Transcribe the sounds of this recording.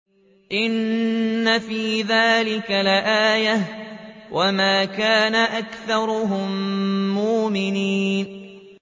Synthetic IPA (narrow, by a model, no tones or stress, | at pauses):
ʔɪnː | afiːðaːlɪkalɪʔaːjahwʔamaːkaːnaʔakθɑɾˤʊɦʊmːʊːmɪniːn